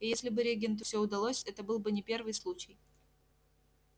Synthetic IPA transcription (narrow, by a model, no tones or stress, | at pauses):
ijesʲlʲɪbɨɾʲeɡʲent̪̬ʊfʲsʲɵʊd̪ɐlˠosʲɛt̪əbɨlˠbɨnʲɪpʲe̞rvɨjslˠut͡ɕɪj